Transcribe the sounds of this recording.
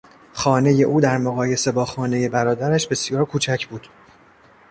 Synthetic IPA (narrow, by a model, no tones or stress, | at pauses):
xɒːne̞je̞ʔuːd̪æɾmoɣɒːje̞se̞bɒːxɒːne̞je̞bæɾɒːd̪æɾæʃbe̞sjɒːɾkʰuːt͡ʃʰæcʰbuːd̪̥